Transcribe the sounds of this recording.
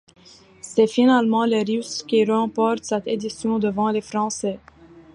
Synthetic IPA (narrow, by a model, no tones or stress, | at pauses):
sɛfinalmɑ̃leʁyskʲiʁəɑ̃pɔʁt̪sɛt̪ed̪isjɔ̃d̪əvɑ̃lefχɑ̃sɛ